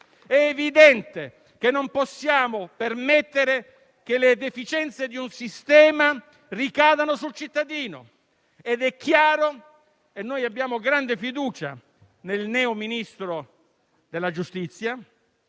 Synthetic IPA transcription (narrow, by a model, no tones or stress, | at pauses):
ɛːvid̪ɛnt̪e | kenːompɔsːjaːmopermet̪ːeɾe | k̟eled̪efit͡ʃɛnt̪sed̪iunsist̪ɛːma | rikaːd̪anos̬ult͡ʃit̪ːad̪iːno̰ | ed̪ɛkʰːjaːɾo | kenːoːjabːjaːmoɡɾand̪efid̪uːt͡ʃa | nelnɛːominist̪ɾo | d̪elːad͡ʒust̪it̪sːja